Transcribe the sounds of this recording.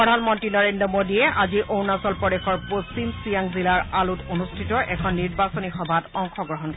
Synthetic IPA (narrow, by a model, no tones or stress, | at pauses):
pɹɔdʱanmɔntɹinɔɹendɹɔmodiɛʔaziʔonasɔlpɔɾexɔɹposimsijaŋzilaɹalutonustʰitɔʔɛkʰɔnːiɹbasɔnixɔbʱatɔŋxɔɡɹɔɦɔnkɔ